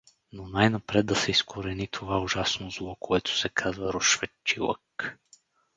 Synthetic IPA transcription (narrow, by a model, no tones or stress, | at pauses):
nonajnɐpɾɛd̪̚d̪ɐsɛiskʰoɾɛnit̪ʰovaʊʒasnozlˠɔkoɛt̪ʊ̥sɛkʰazvɐɾoʃvɛt͡ʃːilˠə̰k